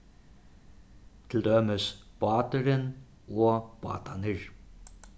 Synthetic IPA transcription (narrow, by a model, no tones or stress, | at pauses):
t̪ʰɪld̪œːməsb̥ɑːt̪əɾən | oːb̥ɑ̰ːt̪ʰanəɹ